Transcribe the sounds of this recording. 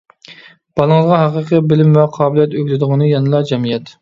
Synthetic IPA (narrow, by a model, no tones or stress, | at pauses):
b̥ɑlˠəŋəzʁɑɦæqəqəbɪlɪmvɛqʰɑːbɪlˠijɛt̪øɡʲlɪd̪ɨʁənɨjɛnɨlˠɑd͡ʒɛmijɛt̪